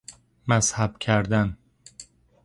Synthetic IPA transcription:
mæshæb̥cʰæɾd̪æn

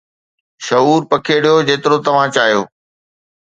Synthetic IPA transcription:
ʃɐɦuːɾpɐkʰeɽijod͡ʑeːt̪ɪɾot̪ɐʋ̤ãt͡ɕaːɦijo̰ː

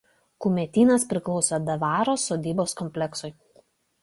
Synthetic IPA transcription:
kʊmʲɛt̪ʲiːnɐspʲɾʲɪklˠɔʊsʲod̪ɐʋɑːɾoːsoːd̪ʲiːboːskɔmʲpʲlʲɛksʊɪ

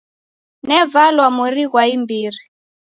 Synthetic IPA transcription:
nɛvalwamuɾiɣwaimbiri

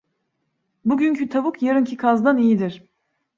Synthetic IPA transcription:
buɟynʲcʰyt̪ʰabukʰjaɾɯncʰikʰazd̪anijid̪iɾ̥

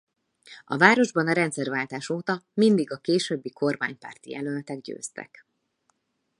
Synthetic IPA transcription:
ɒ̰vaːɾo̞ʒbɒnɒɾɛnt̪sɛrvaːlt̪aːʃoːt̪ɒmind̪iɡɒkeːʃøːbːikʰo̞rmaːɲpa̰ːrt̪ḭjɛ̰lølt̪ɛɡ̚ɟø̰ːst̪ɛ̰k

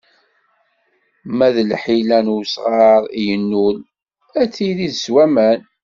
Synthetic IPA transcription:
mæðəlħilænusʁɑɾˤijənːul | æt͡sːiliðswæmæn

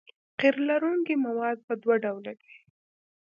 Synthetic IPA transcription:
qiɾlaɾuŋkimawɑd̪̚pəd̪waɖawlad̪i

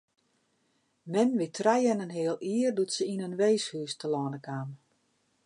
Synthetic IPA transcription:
mɛnʋɪtʰrɛjənənɦɪəlˠiːərdutsəinənʋeːshyːstəlɔːnəkʰaːn

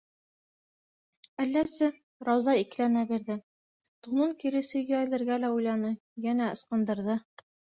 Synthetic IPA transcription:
ælːæsɘ | ɾɑwzɑik̆lænæbiɾðɘ | t̪unɤŋkiɾɘ̆sɘ̆jææjlɘ̆ɾɡælæujlˠɑnɤ | jænæɤ̆sqɤ̆nd̪ɤ̆ɾðɤ

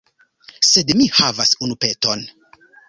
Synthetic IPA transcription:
se̞dmihavasunupe̞to̞n

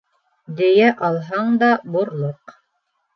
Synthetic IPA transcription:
d̪ɘ̆jæʔɑlˠɦɑɴd̪ɑbuɾlˠoq

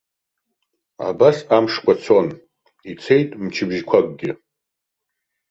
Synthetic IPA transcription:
a̰basamʂkʷʼat͡sʰon | it͡sʰe̞jtʼmt͡ʃʰɪbʒkʷʰakʼɡʲɪ

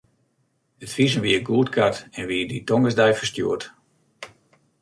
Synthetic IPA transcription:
ətfizənʋiəɡuːətkʰatɛnʋiəditɔŋɡəzdɛjfərstjṵət

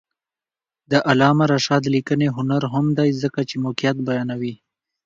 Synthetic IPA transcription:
d̪əʔalɑmaɾaʃɑd̪likəneɦʊnaɾɦʊmd̪ajzəkat͡ʃemokijat̪̚bajɑnawi

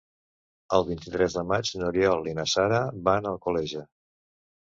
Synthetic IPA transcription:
əlˠβint̪it̪ɾɛzðəmad͡ʒnuɾjɔlˠːinəsaɾəβanəlˠkulɛʒə

